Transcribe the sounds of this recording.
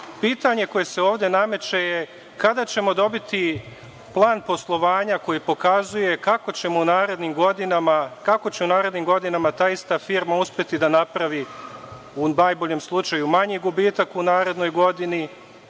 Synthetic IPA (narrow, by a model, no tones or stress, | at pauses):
piːt̪aɲe̞ko̞je̞se̞o̞ːʋd̪e̞name̞t͡ʃe̞je | kad̪at͡ɕe̞mo̞d̪o̞bit̪i | plˠaːnpo̞slˠo̞ʋaːɲako̞jipo̞kazuje̞kako̞t͡ɕe̞mounaːɾe̞d̪nimɡo̞d̪inamakakot͡ɕe̞unaːɾe̞d̪niːmɡo̞d̪inamat̪aːist̪afiːɾmauspʲje̞t̪id̪anapɾaʋi | unaːjbo̞ʎemslˠut͡ʃajumaɲiɡubiːt̪akunaːɾe̞d̪no̞jɡo̞d̪ini